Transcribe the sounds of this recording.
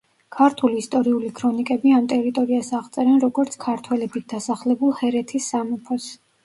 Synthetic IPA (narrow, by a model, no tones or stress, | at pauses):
kʰaɾt̪ʰuliːst̪ʼɔɾiulikʰɾɔnikʼɛbiamt̪ʼɛɾit̪ʼɔɾiasaʁt̪sʼɛɾɛnɾɔɡɔɾt̪sʰkʰaɾt̪ʰwɛlɛbit̪̚ʰd̪̥asaχlɛbulˠhɛɾɛt̪ʰisːamɔpʰɔs